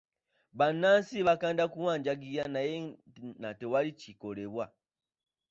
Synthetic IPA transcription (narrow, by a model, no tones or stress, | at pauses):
βanansiβakandakuwaɲd͡ʒaɡijanajɛnatɛwalit͡ʃikɔlɛβwa